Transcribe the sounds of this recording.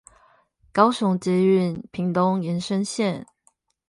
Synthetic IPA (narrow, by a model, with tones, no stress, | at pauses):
kɑ˥ʊsʊ˧˥ŋt͡ɕjɛ˧y˥˨npʰi˨˧˥ŋt̪ʊ˦˥ŋjɛ˧˥nʂə˦ŋɕjɛ˥˨n